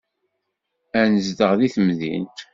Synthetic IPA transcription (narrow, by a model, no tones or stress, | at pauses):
ænəzd̪əʁðiθəmðḭnt̪